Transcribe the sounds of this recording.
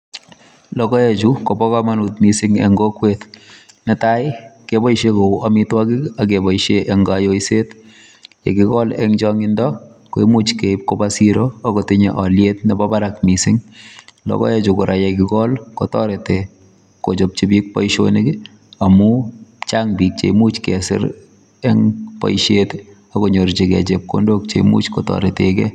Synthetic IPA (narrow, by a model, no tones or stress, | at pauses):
lɔkɔet͡ʃukobɔkamanutmisɪŋḛŋɡokwet | nɪtaɪkebɔiʃekouʔamitwakiak̬ebɔiʃeʔeŋɡajojset | jḛkɪkɔlḛŋd͡ʒɔŋɪndɔ | koimut͡ʃkep̚kobasiɾoːkɔtɪɲḛʔɔljetnɛbɔbaɾakmisɪŋlɔ̰kɔ̰jet͡ʃokʊɾʔajekɪkɔlkɔtɔɾete | kot͡ʃop̚t͡ʃibik̚pɔ̰jʃo̰neɡi | amut͡ʃaŋbik̚t͡ʃḛmut͡ʃkɛsɪ̰ɾ | ɛŋpɔ̰jʃet | akoɲoɾt͡ʃekɛ̰t͡ʃep̚ko̰ndok̚t͡ʃḛimṵt͡ʃkɔtɔ̰ɾetekɛ̰